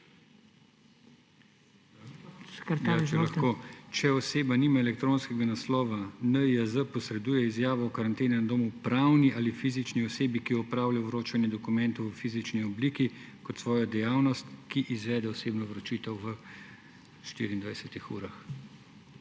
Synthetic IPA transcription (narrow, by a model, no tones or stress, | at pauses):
at͡ʃɛlaxkoːt͡ʃɛɔseːbaniːmaelɛk̚t̪ɾoːnskɛɡanaslɔːʋanəiəzəpɔsɾɛd̪uːjɛizjaːʋɔɔkaɾant̪eːnɛnad̪oːmupɾawniʔaːlifiːzit͡ʃniɔseːbikijɔɔpɾaːwlajɔʋɾoːt͡ʃanjɛd̪ɔkumɛnt̪ɔwfiːzit͡ʃniɔbliːkikɔt̪sʋɔːjɔd̪ɛjaːwnɔst̪kiʔizʋɛːd̪ɛɔseːbnɔʋɾɔt͡ʃiːt̪ɛwʋə | ʃt̪ḭːɾiːnd̪ʋajsɛt̪ixṵːɾax